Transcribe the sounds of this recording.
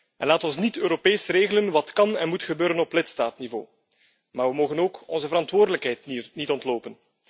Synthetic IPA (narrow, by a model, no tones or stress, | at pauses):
ɛnlaːtɔnsnitøːɾopeːsreːɣələnʋɑtkɑnɛnmutxəbøːɾənɔplɪtstaːtnivo̰ː | maːrʋəmoːɣənoːkɔnzəvəɾɑntʋoːrdələkɦɛjtnitɔntloːpən